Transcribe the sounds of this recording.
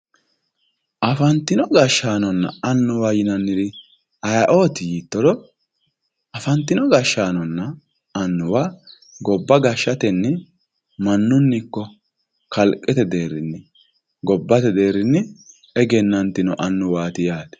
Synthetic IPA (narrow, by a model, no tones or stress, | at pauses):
ʔɐfɐnt̪ːɪnɔɡɐʃːaːnɔnːɐ̰ɐnːʊwaːjɪnɐnːɪɾɪ | ɐjɐʔo̞ːt̪ɪjiːt̪ːɔd̪ɔ | ɐfɐnt̪ːɪnɔɡɐʃːaːnɔnːɐ | ɐnːʊwaː | ɡɔbːɐɡɐʃːɐt̪ɛnːɛ | mɐnːʊnːɪkːɔ | kɐlkʼːɛt̪ɛd̪eːɾɪnːɪ | ɡɔbːɐt̪ɛd̪e̞ːɾɪnːɪ | ɛɡɛnːɐnt̪ːɪnɔʔɐnːʊwaːt̪ɪjaːt̪ɛ̥